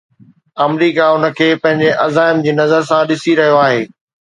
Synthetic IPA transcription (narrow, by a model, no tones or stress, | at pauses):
ɐmɾiːkaʊnə̆kʰeːpɐ̃ɦɪ̃ɲd͡ʑeʔɐzaːɪmd͡ʑiːnɐzəɾsãɗɪsiɾɐɦijoaːɦeː